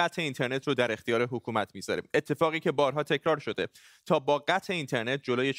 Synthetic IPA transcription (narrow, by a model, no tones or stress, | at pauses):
æt̪ʰe̞int̪ʰe̞ɾne̞t̪ʰrod̪æɾe̞xt̪ijɒːɾeɦokʰuːmæt̪ʰmiːzɒ̰ɾḭːme̞t̪ʰːe̞fɒːɣiːcʰe̞bɒːɾɦɒːt̪ʰe̞cʰɾɒːɾʃo̞d̪e | t̪ʰɒːbɒːɢæt̪ʰe̞int̪ʰeɾne̞t̪̚d͡ʒo̞loːje